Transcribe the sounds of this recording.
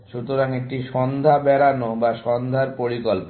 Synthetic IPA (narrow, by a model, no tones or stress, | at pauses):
ʃut̪oɾaŋek̚ʈiʃɔnd̪ʱabɛɾanobaʃɔnd̪ʱaɾpoɾikolpo